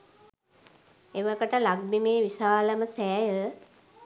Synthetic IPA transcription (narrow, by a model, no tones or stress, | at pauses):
eʋakəʈəlaɡ̚bimeːʋisaːləməsæːjə